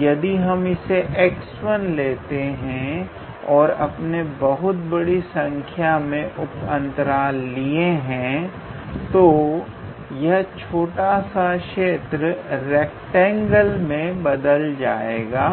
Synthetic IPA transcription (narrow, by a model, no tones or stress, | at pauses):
jɐd̪iɦɐmɪseʔekswənleːt̪eɦɛ̃ | ɔːɾɐ̰pnebɐɦʊt̪̚bɐɽisɐ̃ŋkʰjamẽʔʊpə̃nt̪əɾaːlieɦɛ̃ | t̪o | jɐɦt͡ʃʰoːʈasakʃeːt̪ɾəɾɛːk̚ʈɛ̃ːŋɡəlmẽbɐd̪əld͡ʒaːeːɡaː